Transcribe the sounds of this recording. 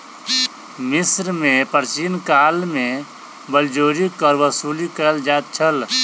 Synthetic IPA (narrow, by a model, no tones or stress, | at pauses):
mɪsɾmẽpəɾsiːnkaːlmẽ | bəld͡ʒoːɾikəɾʋəsuːlikəld͡ʒaːt̪̚t͡ʃʰəl